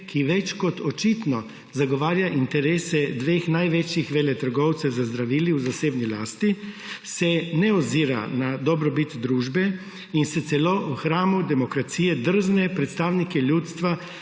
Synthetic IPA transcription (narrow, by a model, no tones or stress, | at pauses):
kʰiʋɛt͡ʃkɔt̪ɔt͡ʃit̪nɔ | zaɡɔʋaːɾjaʔint̪ɛɾeːsɛd̪ʋeːxnajʋɛt͡ʃjixʋeːlɛt̪əɾɡɔwt̪sɛwzazd̪ɾaʋiːliwzaseːbnilaːst̪isɛnɛɔziːɾa̰nad̪ɔbɾɔbit̪d̪ɾuːʒbɛ | insɛt̪sɛlouxɾaːmud̪ɛmɔkɾat̪siːjɛd̪əɾ̩ʒnɛpɾɛt̪st̪aːwnikɛljut̪st̪ʋa